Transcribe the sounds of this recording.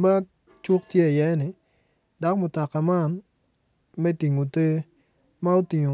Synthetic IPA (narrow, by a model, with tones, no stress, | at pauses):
ma˦ | t͡ʃu˦k̚tje˦˨jɛ˦nɪ˨ | da˦kmʊ˨ta˨ka˨ma˦n | mɛ˦ti˨ŋo˨te˦ | ma˦o˦ti˨ŋo˨